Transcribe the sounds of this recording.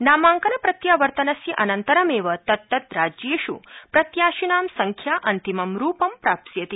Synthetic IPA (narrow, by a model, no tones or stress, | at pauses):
naːmaːŋkɐnɐpɾɐt̪jaːʋɐɾt̪ɐnɐsjɐʔɐnɐnt̪ɐɾɐmeːʋɐt̪ɐt̪ːɐt̪ɾaːd͡ʒeʃṵpɾɐt̪jaːʃinaːmsɐŋkʰjaʔɐnt̪imɐmɾuːpɐmpɾaːp̚t̪jɐt̪i